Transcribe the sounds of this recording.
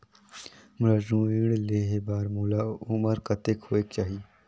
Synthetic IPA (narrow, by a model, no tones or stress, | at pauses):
mʊɾaːzũːiːɽleːɦebaːɾmuːlaːʊməɾkat̪ekʰoːeːk̚t͡ʃaːɦi